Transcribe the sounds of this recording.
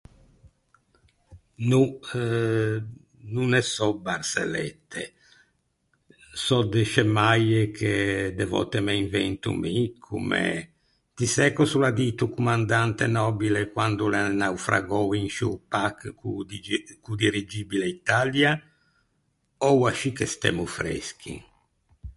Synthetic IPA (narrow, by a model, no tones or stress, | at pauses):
nu | nunɛsɔbaɾsḛlɛ̰t̪ːḛ | sɔd̪ɛʃɛmajekʰed̪ɛvɔ̰t̪ːemeiɱvɛnt̪ṵmikʰṵmḛ | t̪isɛkɔsulad̪it̪ukumand̪ant̪enɔbilekwand̪ulɛnawfɾa̰ɡɔwinʃupakukud̪iɾid͡ʒiːbileit̪alja | ɔwaʃikɛst̪ɛ̰mufɾɛ̰sk̟ʰḭ